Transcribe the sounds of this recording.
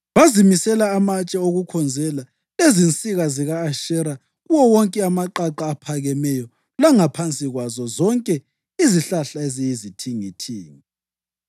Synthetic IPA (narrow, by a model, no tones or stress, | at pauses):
βazimisɛlaːmat͡ʃʼɛoɣukʰɔnd͡zʱɛla | lezint͡sʼiɣaziɣaːʃɛɾa | ɣuwɔwɔŋkʼɛamaǃaǃaːpʰaɣɛmɛjɔ | laŋapʰant͡sʼiɣwazɔzɔŋkʼɛ | iziɬaɬaezijizitʰiŋitʰiːŋi